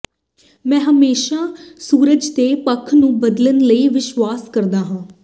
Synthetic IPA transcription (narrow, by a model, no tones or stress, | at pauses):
mɛ̃ːɦəmeːʃaːsuːɾəd͡ʒt̪eːpəkʰnũːbəd̪lənləiːʋɪʃwaːskəɾd̪aːɦãː